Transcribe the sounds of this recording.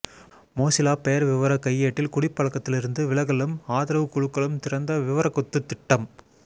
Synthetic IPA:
moːsɪlaːpejɐɾʋɪʋɐɾɐkɐjːeːʈːɪlkʊɽɪpːɐɭɐkːɐt̪ːɪlɪɾɯnd̪ɯʋɪɭɐɣɐɭɯmaːðɪɾɐʋɯkːʊɻɯkːɐɭɯmt̪ɪɾɐnd̪ɐʋɪʋɐɾɐkːɔt̪ːɯt̪ːɪʈːɐm

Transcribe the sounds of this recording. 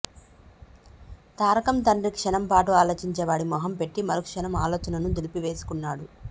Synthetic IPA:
t̪aːɾɐkɐmt̪ɐɳɖɾikʂɐnɐmpaːʈuaːloːt͡ʃiɲt͡ʃɛʋaːɽimɔːɦɐmpe̞ʈːimɐɾukʂɐnɐmaːloːt͡ʃɐnɐnud̪ilipiʋe̞ːsu̥kunːaːɽu

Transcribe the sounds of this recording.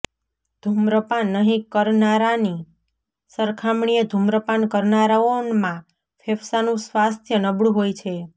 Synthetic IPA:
d̪ʱumɾəpanːəɦĩkəɾnaɾani | səɾkʰamɳijəd̪ʱumɾəpankəɾnaɾaonmã | fʰefʰsanũsʋast̪ʰjənəbɽũɦojt͡ʃʰe

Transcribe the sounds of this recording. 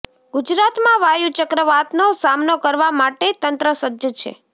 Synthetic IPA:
ɡud͡ʒɾat̪mãʋajut͡ʃəkɾəʋat̪nosamnokəɾʋamaʈet̪ənt̪ɾəsəd̪jət͡ʃʰḛ

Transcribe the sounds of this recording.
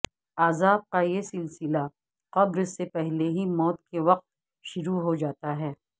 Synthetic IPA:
aːzaːb̚kajesɪlsɪla | qɐbɾɪsepɛɦleɦimɔːt̪̚keʋɐq̚t̪̚ | ʃʊɾuɦod͡ʒaːt̪aɦɛː

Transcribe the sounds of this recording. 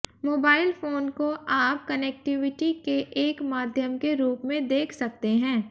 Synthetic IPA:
moːbaːɪlfʰoːnkoʔaːp̚kɐnɛk̚ʈɪʋɪʈikeʔeːkmaːd̪ʱjəmkeɾuːpmẽd̪eːkʰsɐk̚t̪eɦɛ̃ː

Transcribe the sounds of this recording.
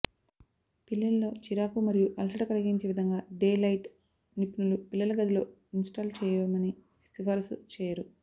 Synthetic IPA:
pilːɐlɐlo̞ːt͡ʃiɾaːkumɐɾijuʔɐlɐs̬ɐʈɐkɐlɐɡiɲt͡ʃeːʋid̪ʱɐŋɡaːɖeːlɐjʈ | nipinulupilːɐlɐɡɐd̪ilo̞̰ːinsʈaːlt͡ʃɛːjɐmɐni | esʈifɐɾsṵt͡ʃeːjɐɾu

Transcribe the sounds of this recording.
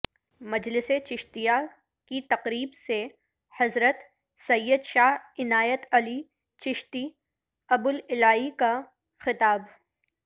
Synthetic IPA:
mɐd͡ʒlɪset͡ʃɪʃt̪ija | kit̪ɐqɾiːbse | hɐzɾət̪ | sɐjːəd̪ʃaːɦɪnaːjət̪ɐli | t͡ʃɪʃt̪i | ɐbʊlɪlaːɦika | xɪt̪aːb

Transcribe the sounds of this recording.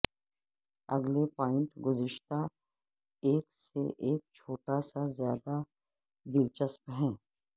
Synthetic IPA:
ɐɡlepaːɪ̃ɳʈɡʊzɪʃt̪a | eːksḛʔeːk̚t͡ʃʰoːʈasazjaːd̪a | d̪ɪlt͡ʃəspɦɛ̃ː

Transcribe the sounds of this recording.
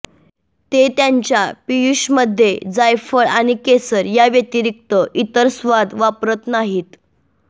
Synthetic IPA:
t̪et̪jaɲt͡ɕjapijuɕməd̪ʱːjed͡zajfəɭaɽ̃ikesəɾjaʋjət̪iɾik̚t̪əʔit̪əɾsʋad̪ʋapɾət̪naɦiːt̪

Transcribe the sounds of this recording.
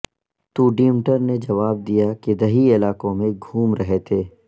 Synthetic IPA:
t̪uːɖiːmʈəɾned͡ʒɐʋaːb̚d̪ijaked̪ɐɦiɪlaːkõmẽɡʱuːmɾɐɦet̪ʰeː

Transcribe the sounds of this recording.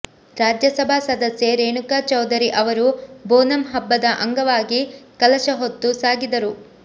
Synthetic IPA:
ɾaːd͡ʒjɐsɐbʱaːsɐd̪ɐsje̞ɾeːɳukat͡ʃɐwd̪ɐɾiʔɐʋɐɾuboːnɐmɦɐbːɐd̪ɐʔɐŋɡɐʋaːɡikɐlɐʃɐɦot̪ːusaːɡid̪ɐɾu

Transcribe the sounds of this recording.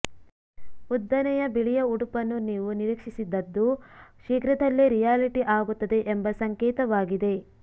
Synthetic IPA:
ud̪ːɐnɛjɐbiɭijɐuɽupɐnːuniːʋuniɾikʂisid̪ːɐd̪ːuʃiːkɾɐd̪ɐlːeɾijaːliʈiʔaːɡut̪ːɐd̪e̞ʔembɐsɐŋkɛːt̪ɐʋaːɡid̪e̞

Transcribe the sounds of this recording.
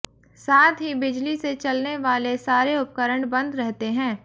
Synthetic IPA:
saːt̪ɦibɪd͡ʒliset͡ʃɐlneʋaːlesaːɾeʊp̚kəɾəɳbɐ̃nd̪ɾɛɦt̪eɦɛ̃ː

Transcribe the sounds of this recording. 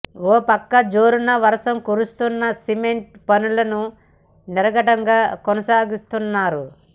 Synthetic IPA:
oːpɐkːɐd͡ʒo̞ːɾunɐʋɐɾɐʂɐmkuɾust̪unːɐsimeɳʈpɐnulɐnu | niɾɐɡɐʈɐŋɡaːkɔnɐsaːɡist̪unːaːɾu

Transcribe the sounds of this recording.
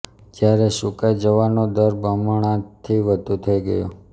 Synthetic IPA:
d͡ʒjaɾeʃukajd͡ʒəʋanod̪əɾbəmɳ̃ãt̪ʰiʋəd̪ʱut̪ʰəiɡəjo̰

